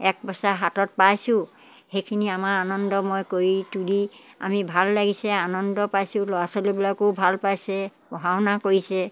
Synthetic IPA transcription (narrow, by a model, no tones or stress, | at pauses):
ɛk̚bɔsaɦatɔt̚pajsʊ̃ | xejkʰiniamaanɔndɔmojkoɹituli | a̰mibʱalːaɡisɛanɔndɔpajsʊ̃lɔasɔlobilakobʱalpajsɛbɔɦaʊnakoɹisɛ